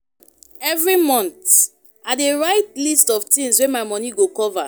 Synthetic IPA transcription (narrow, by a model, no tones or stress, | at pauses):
ɛvɹimɔ̃nt | adeɹaɪtlistɔftĩŋswemaɪmɔniɡokɔva